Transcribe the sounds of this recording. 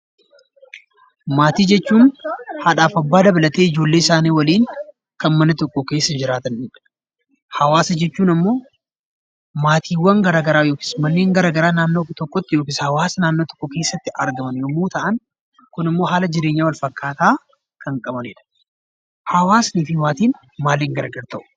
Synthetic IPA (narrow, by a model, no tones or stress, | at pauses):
maːt̪iːd͡ʒɛt͡ʃːuːnhɐᶑaːfɐbːaːd̪ɐbɐlɐt̪eːɪd͡ʒo̞ːlːe̞ːɪsaːniːwɐliːŋ | kɐnmɐnɐt̪ɔkːɔke̞ːsːɐd͡ʒɪɾaːt̪ɐnᶑɪᶑɐ̥ | hɐwaːsɐd͡ʒɛt͡ʃːuːnɐmːo̞ː | maːt̪ʰiːwːɐŋɡɐɾaːɡɐɾaːjo̞ːkɪ̥smɐnːeːŋɡɐɾaːɡɐɾaːnaːnːoːt̪ɔkːɔt̪ːɪjoːkɪshɐwaːsɐnaːnːoːt̪ɔ̥kːɔke̞ːsːɐt̪ːɪʔɐɾɡɐmɐnjomːoːt̪ɐʔɐn | kʊnɪmːo̞ːhaːlɐd͡ʒɪɾeːɲːaːwɐlfɐkːaːt̪aː | kʰɐŋkʼɐbɐneᶑɐ̥ | hɐwaːsniːfɪmaːt̪iːn | maːlːeːŋɡɐɾɡɐɾt̪ʰɐʔʊ̥